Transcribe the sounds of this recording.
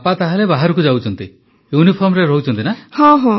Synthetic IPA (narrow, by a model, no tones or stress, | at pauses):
pat̪aɦalebaɦaɾukud͡ʒawt͡ʃʰɔnt̪i | junipʰɔɾmɾeɾɔut͡ʃʰɔnt̪inahɔ̃ɦɔ̃